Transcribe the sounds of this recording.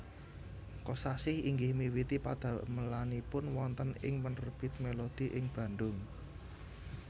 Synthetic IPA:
kɔsasɪhiŋɡɪhmiwit̪ipad̪̥a̤məlanipʊnwɔnt̪ənɪ̰ŋmənrb̥it̪̚melod̪̥i̤ʔɪŋb̥ä̤nd̪ʊŋ

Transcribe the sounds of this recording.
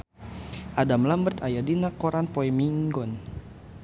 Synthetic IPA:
ʔadamlambərt̪ajadinakɔɾanpɔɛmiŋɡɔn

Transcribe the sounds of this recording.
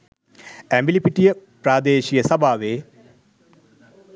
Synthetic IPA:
æmbilipiʈijəpɾaːd̪eːɕijəsɐbaːʋeː

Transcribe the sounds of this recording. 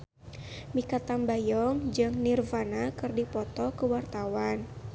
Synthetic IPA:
mikat̪ambajɔŋd͡ʒɨŋnirvanakɨrdipɔt̪ɔkəwart̪awan

